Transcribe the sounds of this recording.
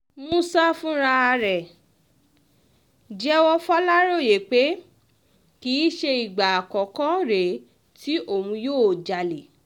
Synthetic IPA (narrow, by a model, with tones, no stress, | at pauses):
m̃ũ˦sa˦fũ˦ɾa˧ɾɛ˨ | d͡ʒɛ˦wɔ˧fɔ˦la˦ɾo˦˨je˨k͡pe˨˦ | kiː˨˦ʃe˧i˨ɡ͡ba˨kɔ˨kɔ̃˦ɾe˨ | ti˦ʔo˦˨ũ˧joː˦˨d͡ʒa˨le˨